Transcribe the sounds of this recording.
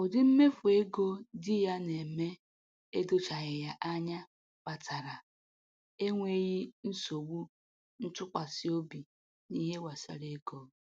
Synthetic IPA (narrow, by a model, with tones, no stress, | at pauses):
ʊ˨dɪ˦m̩˦me˦fu˨e˦ɡo˦dɪ˦ja˦ne˨me˦ | e˦do˦t͡ʃa˨ɣɪ˨ja˦ʔa˦ɲa˦ | pa˨tʰa˨ɾa˨ | e˦ŋʷe˦ɣi˦n̩˦so˨ɡ͡bu˦ | n̩˦tʊ˦kʷa˨sɪ˦o˦bi˨ | ni˦ɦe˦wa˨sa̰˨ɾe˦ɡɔ˦